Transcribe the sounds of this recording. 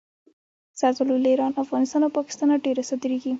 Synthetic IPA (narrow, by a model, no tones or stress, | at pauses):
sat̪ʊluleɾɑnafɣɑnɪst̪ɑnawpɑkɪ̥st̪ɑnaɖeɾasad̪ɾiɡi